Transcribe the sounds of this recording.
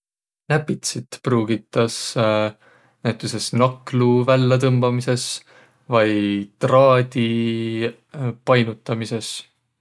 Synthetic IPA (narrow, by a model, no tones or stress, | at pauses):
næpːit̪sit̪pruːɡ̥it̪ːˑɑs | næjt̪ːˑuse̞snɑkluvælːet̪ɤmbɑmise̞s | vɑjt̪rɑːd̪̥ʲi | pɑjnut̪ːˑɑmise̞s